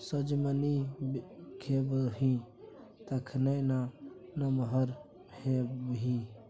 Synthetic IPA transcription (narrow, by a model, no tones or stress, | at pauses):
səd͡ʒməni | kʰeːbɦĩː | t̪ɐkʰnəjnanɐməɦəɾ | hebɦĩː